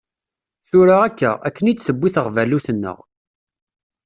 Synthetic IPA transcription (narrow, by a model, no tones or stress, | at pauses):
θʊɾaʁækːæ̰æ̰kːənit͡sːθəbːiθəʁvæluθənːə̰ʁ